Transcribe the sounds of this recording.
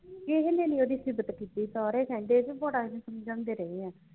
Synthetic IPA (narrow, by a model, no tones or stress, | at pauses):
kɪɦnẽːnĩːoːd̪iːsɪbət̪kiːt̪iːsaːɾeːsɛ̃ːɳɖeːd͡ʒbɔːɽaːd͡ʒẽsəmd͡ʒãːnd̪eːɾəeːɛ̃ː